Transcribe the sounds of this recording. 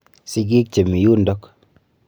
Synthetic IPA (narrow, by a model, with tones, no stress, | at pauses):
si˦k̬i˦k̚t͡ʃe˨mi˨ju˦ndɔ˦k